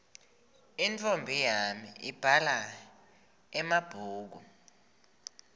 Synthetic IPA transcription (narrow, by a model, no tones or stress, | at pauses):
int͡fʰʼombʱijamiib̥ʱala | ɛmab̥ʱuːk̬u